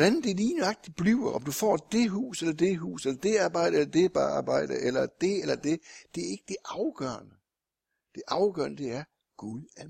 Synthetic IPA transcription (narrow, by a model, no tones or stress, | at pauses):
ɒd̥ænd̥e̝liːnɑ̈ɡ̥̚d̥i̥b̥liʊ̰ɐʔɒ̽md̥ufɒ̰ːd̥e̝ɦṵːselɐd̥e̝ɦṵːselɐd̥e̝ɑ̈ːb̥ɑ̈ɪ̰ɾ̥əelɐd̥e̝b̥ɑɑ̰ːb̥ɑ̈ɪ̰d̥əʔelɐd̥e̝elɐd̥e̝d̥e̝æɐe̝ɡ̥əd̥e̝ʔɑ̈ʊɡ̥ɶːɐnə | d̥e̝ʔɑ̈ʊɡ̥ɶɐnəd̥e̝æɐ | ɡ̥uðˠæ